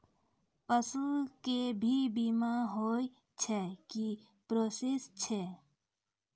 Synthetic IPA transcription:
pəsukebʱibimaɦoːi | t͡ʃʰɛki | pɾoːsɪst͡ʃʰe

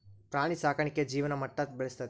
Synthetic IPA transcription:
pɾaːɽ̃isaːkʰɐɳikːed͡ʒiːʋɐnɐmɐʈːɐt̪̚beɭest̪ɐt̪

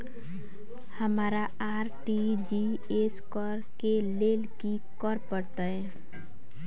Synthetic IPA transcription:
həmaːɾa | aːɾʈi | d͡ʒi | eskɔɾkeleːlki | kɔɾpəɽt̪aɦɛ

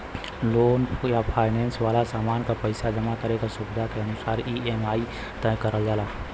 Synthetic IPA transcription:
loːnjapʰaːɪnɛːnsʋaːlasaːmaːnkapəɪsad͡ʒəmakəɾekasʊbɪd̪ʱakeɐnʊsaːɾiːɛmaːi | t̪ɛːkəɾəld͡ʒaːlaː

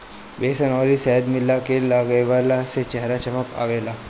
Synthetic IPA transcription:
besənɔɾisɛɦəd̪milakelaɡəʋalaset͡ɕɛɦɾat͡ɕəməka̰ʋela

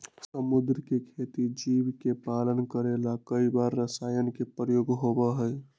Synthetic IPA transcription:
səmud̪ɾkekʰet̪id͡ʒibkepalənkəɾelakəibaɾːəsajənkepəjoɡɦobəɦəj

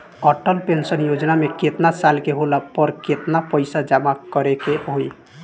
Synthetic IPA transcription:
ɔʈəlpensənjod͡ʒnameket̪nasalkeɦolapɔɾket̪napəɪsad͡ʒamakəɾekeɦoj

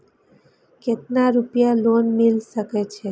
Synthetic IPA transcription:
ket̪̚naɾupjalonmilʃəket͡ʃʰe

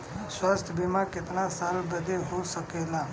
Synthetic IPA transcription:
swast̪ʰjəbimãket̪nasalbəd̪ʱeɦosəkela

